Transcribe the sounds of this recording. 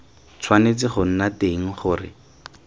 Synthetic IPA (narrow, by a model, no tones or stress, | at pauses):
t͡sʰwanet͡sɪχʊn̩nateŋ̩χʊːrɪ̰